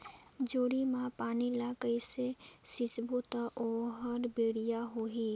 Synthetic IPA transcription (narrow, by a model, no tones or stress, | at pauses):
d͡ʒoːɽimãpaːnilaːkəisesɪt͡ʃbot̪aʔoɦəɾbeːɽijaɦoːɦiː